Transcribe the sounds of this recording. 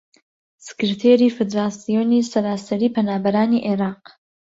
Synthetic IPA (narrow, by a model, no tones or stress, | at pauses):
sɨ̥kɨɾt̪ʰeːɾiːfɨd̪ɾaːsijoːnisɐɾaːsɐɾiːpʰɐnaːbɐɾaːniʔeɾaːq